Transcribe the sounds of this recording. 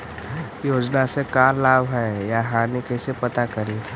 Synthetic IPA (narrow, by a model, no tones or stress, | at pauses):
joːd͡ʒnasekaːlaːbɦɛjaɦaːnikesepɐt̪akɐɾi